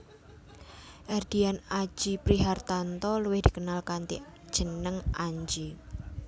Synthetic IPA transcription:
ʔɛrd̪̥ianḁd͡ʒ̥ipɾiɦart̪ant̪ɔləwɪhd̥ikənalkant̪ḭ | d̥ʒ̥ənəŋʔaɲd͡ʒi

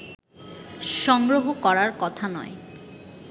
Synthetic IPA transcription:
ʃɔŋɡɾoɦokɔɾaɾkɔt̪ʰanɔ̰e

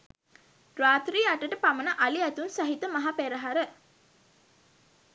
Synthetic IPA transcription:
ɾaːt̪ɾiːaʈəʈəpamənəʔaliæt̪unsaɦit̪əmaɦapeɾəɦaɾə

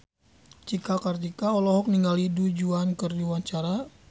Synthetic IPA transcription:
t͡ʃikakartikaɔlɔɦɔk̚niŋɡalidud͡ʒuankərdiwaɲt͡ʃaɾa

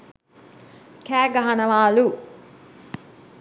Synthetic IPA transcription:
kæːɡɐɦɐnɐʋaːlu

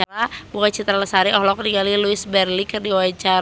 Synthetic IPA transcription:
aɾabukat͡ʃit̪ɾaləsaɾiʔɔhlɔkriɡaliluɪsbɛrlikɨrdiwat͡ʃa

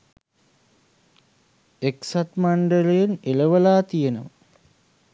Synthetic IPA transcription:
eksat̪maɳɖəlejeneləʋəlaːt̪ijenəmə

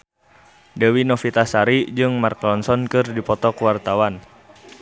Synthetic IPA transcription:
dɛwinɔfit̪asaɾid͡ʒɨŋmarklɔnsɔnkɨrdipɔt̪ɔkuwart̪awan

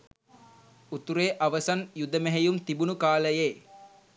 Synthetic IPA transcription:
ut̪uɾeːʔaʋəsanjud̪əmeɦejumt̪ibunukaːləjeː

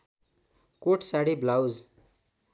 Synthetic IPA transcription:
koʈsaɽiblawd͡z

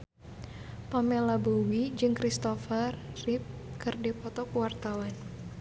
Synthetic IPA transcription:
pamɛlabowid͡ʒɨŋkɾist̪ɔfərːip̚kɨrdipɔt̪ɔkuwart̪awan

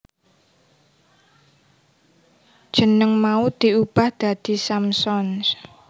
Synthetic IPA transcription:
d̥ʒ̥ə̤nəŋmaud̪̥iub̥a̤hd̪̥a̤d̪̥i̤samsɔns

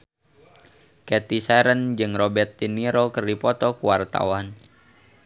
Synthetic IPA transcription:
kɛt̪isaɾənd͡ʒɨŋrɔbɛrt̪ːiniɾokərdipɔt̪ɔkuwart̪a̰wan

